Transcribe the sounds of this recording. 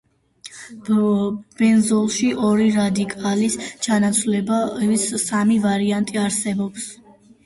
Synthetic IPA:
b̥ɛnzɔlˠʃiʔɔɾiɾad̪ikʼalist͡ʃʰanat̪sʰlɛbasːamivaɾiant̪ʼiaɾsɛbɔps

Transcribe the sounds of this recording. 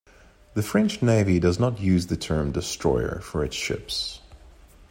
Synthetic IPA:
ðɨfɹɛ̃nt͡ʃneɪvidʌznətjʉzðɨtʰɜ̃˞mdɨstɹ̥ɔ̰ɪə̰˞fə˞ɨtsʃɪ̰ps

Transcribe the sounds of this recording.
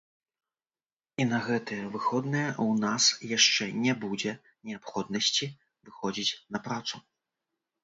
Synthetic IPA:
inɐɣɛt̪ɨjɛvɨxɔd̪nɨjɛunasjaʂt͡ʂɛnʲɛbud͡zʲɛ | nʲɛapxɔd̪̚nɐsʲt͡sʲi | vɨxɔd͡zʲit͡sʲnɐpɾat̪su

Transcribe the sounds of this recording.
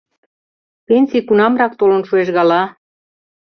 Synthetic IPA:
penʲsʲijkunɑmrɑk̚t̪olə̆nʃueʃɣɑlɑ

